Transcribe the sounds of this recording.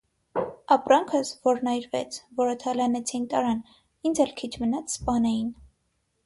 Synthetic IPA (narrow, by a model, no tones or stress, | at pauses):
ɑpɾɑŋkʰəsvɔɾnɑjɾvɛ̰t͡sʰvɔɾət̪ʰɑlɑnɛt͡sʰint̪ɑɾɑn | ind͡zɛlkʰit͡ʃʰmənɑt͡sʰspɑnɛjin